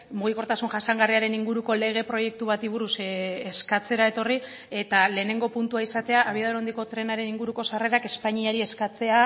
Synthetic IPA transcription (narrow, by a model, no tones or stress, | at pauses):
muɣ̞iko̞ɾt̪asunʝasaŋɡariaɾe̞niŋɡuɾuko̞le̞ɣ̞e̞pɾo̞je̞k̚t̪uβ̞at̪iβ̞uɾuseskat͡se̞ɾae̞t̪o̞ri | e̞t̪ale̞ːne̞ŋɡo̞punt̪uaisat̪e̞aʔːβ̞iaðoɾo̞nd̪iko̞t̪ɾe̞naɾe̞niŋɡuɾuko̞sare̞ɾake̞spaɲiaɾie̞skat͡se̞a